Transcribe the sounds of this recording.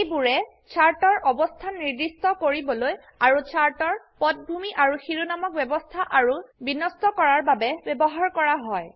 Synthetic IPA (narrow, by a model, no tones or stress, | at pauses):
ejbuɹɛ | t͡ʃʰaɹtɔɹʔɔbɔstʰaniɹdistɔkoɹibɔloj | aɹut͡ʃʰaɹtɔɹpɔt̚bʱumiʔaɹuxiɹunamɔk̚bɛbɔstʰaʔaɹubinɔstɔkɔɹaɹbabɛbjɛbɔɦaɹkɔɹaɦɔj